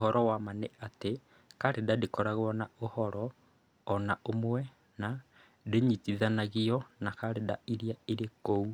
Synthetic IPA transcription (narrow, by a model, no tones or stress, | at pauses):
ɦɔɾɔwamaneʔate | kaɾedadekɔɾaɣwɔnaohɔɾɔː | naʔomwɛ | na | deɲitiðanaɣiɔnakaɾedaiɾiaiɾekou